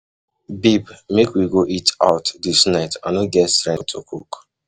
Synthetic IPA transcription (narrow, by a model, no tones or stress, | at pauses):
bibmekwiɡoʔita̰ʊtdisnaɪtã̰noɡɛtstɾɛ̃tʰokʰuk